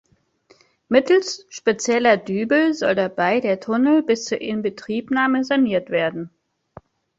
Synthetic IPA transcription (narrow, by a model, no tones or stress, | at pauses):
mɪtl̩sʃpet͡sjɛlɐdyːbl̩zɔldabaɪdeːɐtʰʊnl̩bɪst͡suːɐʔɪnbətʁ̥iːpnaːməzaniːɐtv̥eːɐdn̩